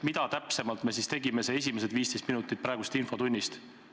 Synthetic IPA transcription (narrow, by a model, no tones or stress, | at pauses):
mid̪ɑt̪æpse̞mɑlt̪me̞sist̪e̞ɡime̞sees̬ʲimese̞d̪viːst̪e̞jst̪minut̪ːˑit̪̚pɾɑeɡust̪info̞t̪unʲːist̪